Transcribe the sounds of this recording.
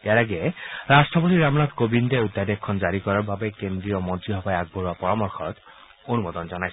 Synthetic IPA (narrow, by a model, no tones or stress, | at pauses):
eaɹaɡɛɹastɹɔpotiɹamnatkobindɛudadɛkʰːɔnzaɹikɔɹaɹbabɛkendɹiɔmɔntɹiɦɔbajaɡ̚boɹuapɔɹamɔɹxʰɔ̰t | onumɔd̪ɔnzɔnajs